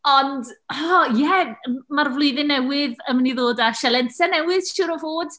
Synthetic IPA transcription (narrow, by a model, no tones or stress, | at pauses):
ɔndɔjɛəmarvlˠʊɨðɪnːɛwɪðəmaniðoːdaʃɛlˠɛnsɛnɛwɪðʃʊɾɔvoːd̥